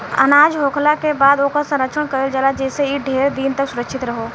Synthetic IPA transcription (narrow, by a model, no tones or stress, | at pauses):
ə̰naːd͡ʒɦoːkʰlakebaːd̪oːkasɐ̃mɾəkʃʰəɽ̃kɐɾeld͡ʒəlad͡ʒɛːseiɖʱeːɾd̪iːnt̪əksʊɾəkʃʰɪt̪ɾɐɦoː